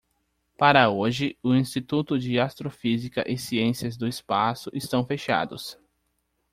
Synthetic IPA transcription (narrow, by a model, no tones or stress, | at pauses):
paɾɐoʒɪʊĩst͡ʃit̪ut̪ʊd͡ʒɪast̪ɾofizikɐ̰ʔɪsiẽsiɐzd̪ʊɪspasʊʔɪst̪ɐ̃w̃feʃa̰d̪ʊ̰s